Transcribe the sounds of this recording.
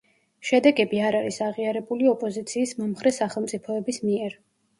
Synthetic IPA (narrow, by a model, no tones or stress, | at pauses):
ʃɛd̪ɛɡɛbiaɾaɾisaʁiaɾɛbuliɔpʼɔzit̪sʰiːsmɔmχɾɛsaχɛlˠmt̪sʼipʰɔɛbismiɛɾ